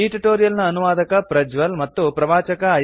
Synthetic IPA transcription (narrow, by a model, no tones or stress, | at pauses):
iːʈuʈoːɾijɐlnɐːnuʋaːd̪ɐkɐpɾɐd͡ʒʋɐlmɐt̪ːupɾɐʋaːt͡ʃɐkɐː